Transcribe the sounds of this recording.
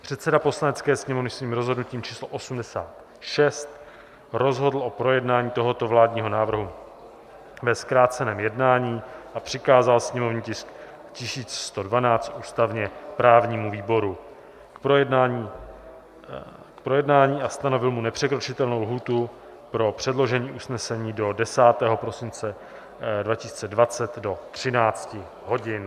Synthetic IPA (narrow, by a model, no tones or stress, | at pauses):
pr̝̥ɛt̪sɛdapo̞slanɛt͡skɛːsɲɛmovnɪsviːmɾo̞zɦo̞dnuciːmt͡ʃiːsloʔo̞sumdɛsa̰ːt̪ | ʃɛst̪ | ɾo̞zɦo̞dl̩ʔo̞pɾo̞jɛdnaːɲiːt̪o̞ɦo̞t̪o̞vlaːdɲiːɦo̞naːvr̩ɦu | vɛskɾaːt͡sɛnɛːmjɛdnaːɲiːʔapr̝̥ɪkaːzalsɲɛmo̞vnɲiːcɪsk | cɪsiːt͡sst̪o̞dvanaːt͡st̪ʔuːst̪avɲɛpɾaːvɲiːmuviːbo̞ɾu | da | kpɾo̞jɛdnaːɲiːʔast̪ano̞vɪlmunɛpr̝̥ɛkɾo̞t͡ʃɪt̪ɛlnowlɦuːt̪u | pɾo̞pr̥ɛdlo̞ʒɛɲiːʔusnɛsɛɲiːdo̞dɛsaːt̪ɛːɦo̞pɾo̞sɪnt͡sɛ | dvacɪsiːt͡sɛdvat͡sɛt̪do̞t̪r̥ɪnaːt͡scɪ | ɦo̞ɟɪn